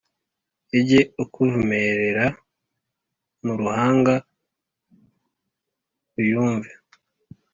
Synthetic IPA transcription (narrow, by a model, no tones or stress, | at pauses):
eɟe̞ukʰuvumeɾeɾa | nuɾuhaːŋɡa | ɾujuːɱve